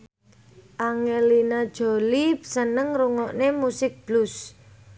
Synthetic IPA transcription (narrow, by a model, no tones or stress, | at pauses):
ʔaŋelinad̥ʒ̥o̤lisənəŋɾuŋɔʔnemusɪk̚b̥lus